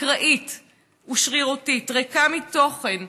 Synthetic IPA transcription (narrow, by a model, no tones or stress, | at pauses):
kʁaʔit | uʃʁiʁotitʁekamit̪o̞χen